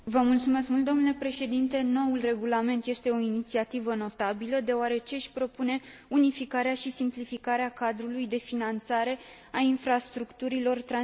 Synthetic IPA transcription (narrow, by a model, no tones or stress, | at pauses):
vəmult̪sume̞skmult̪̚d̪o̞mnulepɾe̞ʃe̞d̪int̪e̞no̞ulre̞ɡulame̞nt̪je̞st̪e̞o̞init̪siat̪ivəno̞t̪abiləd̪e̞oaɾe̞t͡ʃeʃʲpɾo̞pune̞ | unifikaɾeaʃisimplifikaɾeakad̪ɾulujd̪e̞finant̪saɾe̞ | ainfɾast̪ɾukt̪uɾilo̞rt̪ɾa